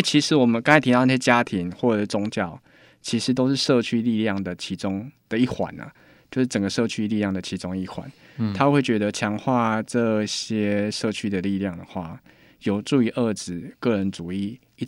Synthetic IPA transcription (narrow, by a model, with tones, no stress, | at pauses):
t͡ɕʰi˧˥ʂɻ̩˧˦wɔ˨˩mə˨˦nka˥ŋ˥˨˩t̪ʰi˧ɑ˥˧ʊnə˥˩ɕjɛ˥t͡ɕja˦˥t̪ʰi˨˦ŋxwɔ˥˩ʈ͡ʂə˨˩˥t͡sʊ˧˥ŋt͡ɕjɑ˥˩ʊ | t͡ɕʰi˧˥ʂɻ̩˧˥t̪̬o˥ʊʂɻ̩˥˧ʂɤ˥˧t͡ɕʰy˥li˥˧lja˥˩ŋd̪ə˩t͡ɕʰi˧˥ʈ͡ʂʊ˥ŋd̪̥ə˨i˥˩xwa̰˨˩˦nə̰˩ | t͡ɕjo˥˧ʊʂɻ̩˥˩ʈ͡ʂə˨˩ŋɡə˩ʂɤ˥˩t͡ɕʰy˥li˥˧lja˥˩ŋd̪ə˩t͡ɕʰi˧˥ʈ͡ʂʊ˦ŋi˥˩xwa̰˨˩˦n | t̪ʰa˥xwe˥˩ɪt͡ɕɥɛ˧˦˥d̪ə˧t͡ɕʰjɑ˧˥ŋxwa˥˧ʈ͡ʂɤ˥˧ɕjɛ˥ʂɤ˥˧t͡ɕʰy˥d̪ə˨li˥˧lja˥˨˩ŋd̪ə˩xwa̰˥˩ | jo˨˩ʊʈ͡ʂu˥˩y˧˥ʔə˥˩ʈ͡ʂɻ̩˨˩kɤ˥˩ɻə˧˦nt͡su˨˩i˥˩˦